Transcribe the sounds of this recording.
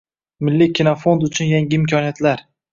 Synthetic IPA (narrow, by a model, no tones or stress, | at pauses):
mɪlːikʲʰinɒfo̞nd̪ʊt͡ʃʰʊnjaŋɡʲɪɪmkʲʰɒnijat̪laɾ